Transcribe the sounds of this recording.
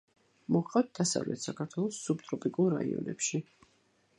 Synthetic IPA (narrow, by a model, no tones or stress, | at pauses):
mɔqʼat̪̚d̪̥asa̰vlɛt̪ʰsakʰaɾt̪ʰwɛlˠɔsːubt̪ʼɾɔpʼikʼulˠɾa̰iɔ̰nɛpʃi